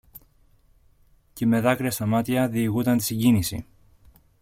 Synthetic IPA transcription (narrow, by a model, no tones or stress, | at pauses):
ceme̞ðɐkɾiɐst̪ɐmɐt̪iɐðiːɣut̪ɐnt̪i̥siɲɟinisḭ